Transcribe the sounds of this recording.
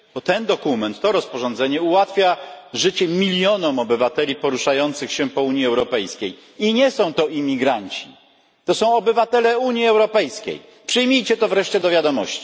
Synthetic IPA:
b̥ɔt̪ɛnd̪ɔkumɛnt̪ːɔɾɔspɔʐɔnd̪zɛɲɛuwat̪fʲjaʐɘt͡ɕɛmʲilʲjɔnɔmɔbɘvat̪ɛlʲipɔɾuʂajɔnt̪sɘxɕɛpɔuɲiɛwɾɔpɛjskʲej | iɲɛsɔ̃w̃t̪ɔimʲiɡɾaɲt͡ɕi̥ | t̪ɔsɔ̃w̃ɔbɘvat̪ɛlɛuɲjiɛwɾɔpɛjskʲḛj | pʂɘjmʲijt͡ɕɛt̪ɔvɾɛʂt͡ɕɛd̪ɔvʲjad̪ɔmɔɕt͡ɕi̥

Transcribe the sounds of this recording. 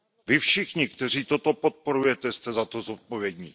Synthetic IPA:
vɪfʃɪxɲɪkt̪ɛr̝iːt̪o̞t̪o̞po̞t̪̚po̞ɾujɛt̪ɛst̪ɛzat̪o̞zot̪̚povjɛd̪ɲiː

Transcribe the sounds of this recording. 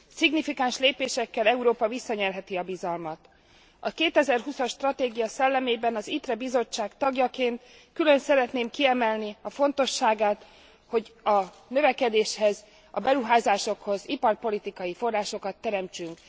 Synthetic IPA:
siɡnifikaːnʃleːpeːʃɛkːɛlɛuɾoːpɒvisːɒɲɛrɦɛt̪iɒbizɒlmɒt̪ | ɒkeːt̪ɛzɛrɦusɒʃːt̪rɒt̪eːɡijɒsɛlːɛmeːbɛnɒzit̪rɛbizo̞t͡ʃːaːkt̪ɒɡjɒkeːnt̪ | kylø̞nsɛɾɛt̪neːmkiɛmɛlniɒfo̞n̪t̪o̞ʃːaːɡaːt̪ | ho̞ɟɒ | nø̞vɛkɛd̪eːʃhɛz | ɒ̰bɛɾuɦaːzaːʃo̞kho̞zipɒrpo̞lit̪ikɒjifo̞rːaːʃo̞kɒt̪ːɛɾɛmt͡ʃyŋk

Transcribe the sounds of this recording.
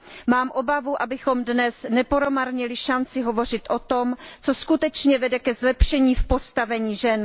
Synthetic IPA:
maːmʔo̞bavuʔabɪxo̞mdnɛsnɛpoɾomaɾɲɛlɪʃant͡sɪɦo̞vo̞r̝ɪt̪ʔot̪o̞mt͡so̞skut̪ɛt͡ʃɲɛvɛdɛkɛzlɛpʃɛɲiːfpo̞st̪avɛɲiːʒɛn

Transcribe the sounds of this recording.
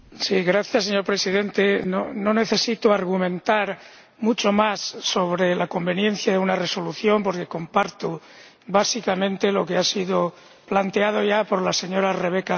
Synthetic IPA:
siɣɾaθjasːeɲo̞ɾpɾe̞siðe̞nt̪e̞nono̞ne̞θe̞sit̪oaɾɣumẽ̞nt̪aɾ | mut͡ʃo̞masːo̞βɾe̞lako̞mbe̞njẽ̞n̟θjaðeunare̞so̞luθjompo̞ɾke̞ko̞mpaɾt̪u | βasikamẽnt̪e̞lo̞keasiðo | plant̪eað̞o̞ʝapo̞ɾlase̞ɲo̞ɾare̞β̞e̞ka

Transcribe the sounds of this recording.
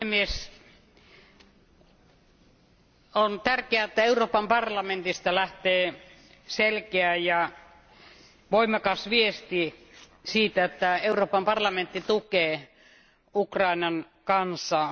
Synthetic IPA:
emies | ont̪ærkeæet̪ːæeuroːpɑmpɑrlɑment̪ist̪ɑlæht̪eː | selkeæjɑ | ʋoimˑɑkɑsʋiest̪i | siːt̪æet̪ːæeuroːpɑmpɑrlɑment̪ːit̪ukeː | ukrɑˑinɑn | kɑnsˑɑ

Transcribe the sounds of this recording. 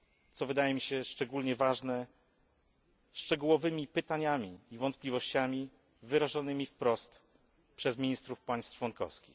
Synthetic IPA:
t̪sɔvɘd̪ajɛmʲiɕɛʂt͡ʂɛɡulɲɛvaʐnɛ | ʂt͡ʂɛɡuwɔvɘmʲipɘt̪aɲamʲiːvɔnt̪̚plʲivɔɕt͡ɕamʲi | vɘɾaʐɔnɘmʲifpɾɔst̪ | pʂɛzmʲiɲist̪ɾufpaj̃st̪t͡ʂwɔnkɔ̰fskʲix

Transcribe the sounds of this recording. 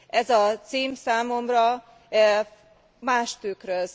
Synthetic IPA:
ʔɛzɒt̪siːmsaːmo̞mrɒ | maːʃt̪ykrøz

